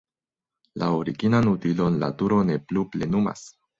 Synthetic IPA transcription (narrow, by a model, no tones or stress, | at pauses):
lʔaoɾiɡinanutilo̞nla̰tuɾo̞ne̞pluplenuma̰s